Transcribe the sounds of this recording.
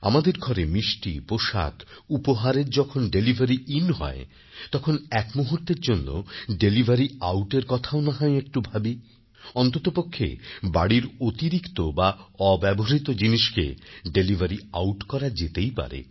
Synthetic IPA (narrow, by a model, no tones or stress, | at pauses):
a̰mad̪eɾɡʱɔɾemiʃʈipoʃa̰kupoɦaɾeɾd͡ʑɔkʰonɖelibʱaɾiʔinɦɔ̰e | t̪ɔkʰonɛkmuɦuɾt̪eɾd͡ʑonːo̰ɖelibʱaɾiawʈeɾkɔt̪ʰaonaɦɔeek̚ʈubʱabi | ɔnt̪ot̪opokʰːḛbaɽiɾot̪iɾikt̪obaɔbɛboɦɦit̪od͡ʑiniʃkḛɖelivʱaɾiawʈkɔɾad͡ʑet̪ejpa̰ɾḛ